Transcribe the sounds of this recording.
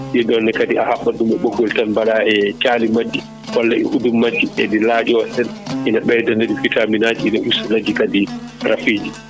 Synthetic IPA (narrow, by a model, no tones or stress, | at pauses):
ɗiɗɔnːɛkadiahaɓːadumɛɓoɡɔltanbaɗaɛt͡ʃaːlimad͡ʒːi | hɔlːaɛ̰ʔudumːad͡ʒːiɛ̰dilaːd͡ʒɛwasɛnʔinaɓɛdaneɗufitaminad͡ʒiinaʔusulad͡ʒikadiɾafiːd͡ʒi